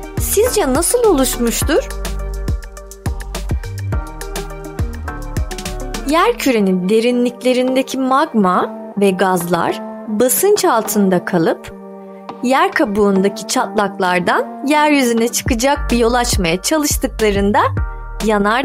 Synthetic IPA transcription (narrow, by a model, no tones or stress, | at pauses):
sizd͡ʒɛnasɯlˠo̞lˠuʃmuʃt̪uɾ̥ | jæɾcʰyɾe̞nind̪e̞ɾinlʲiclʲe̞ɾind̪ecʰimaɡma | vɛɡazlˠa̰ɾ̥basɯnt͡ʃʰalˠt̪ʰɯnd̪akʰalˠɯp | jæɾkʰabuːnd̪acʰi̥t͡ʃʰat̪lˠaklˠaɾd̪anjæɾjyzynɛt͡ʃʰɯ̥kɯd͡ʒak̚bijo̞lˠat͡ʃmajat͡ʃʰalˠɯʃt̪ʰɯklˠaɾɯnd̪a | janaɾ